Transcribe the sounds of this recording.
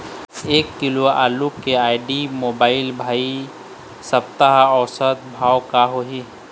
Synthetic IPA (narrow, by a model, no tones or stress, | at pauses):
eːkːɪloa̰ːlukeaːɪɖimoːbaːɪlbʱaːi | səpt̪aɦɔːsət̪bʱaːwkaɦoɦi